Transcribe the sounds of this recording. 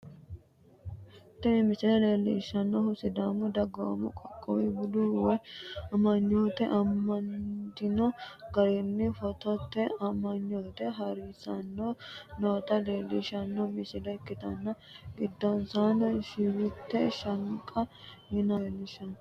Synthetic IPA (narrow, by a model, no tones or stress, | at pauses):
t̪ːɛnɪmɪsɪlɐleːlːḭʃːɐnːɔhʊsɪd̪amʊd̪ɐɡɐwɐ̰mʊ̰kʼɔkʼːɔwibʊd̪uwɛɐmɐɲːoːt̪ɛʔɐmːɐnt̪ɪnɔɡɐɾɪnːɪfɔt̪ɔt̪ːɛɐmɐɲːoːt̪ɛɦɐɾisɐnːonoːt̪ɐle̞ːlːḭʃɐnːɔmɪsɪdɐɪkːɪt̪ɐnːɐ | ɡɪd̪ːɔnsanʃɪwɪt̪ːɛʃɐŋkʼːɐhɪnɐlːɪʃɐn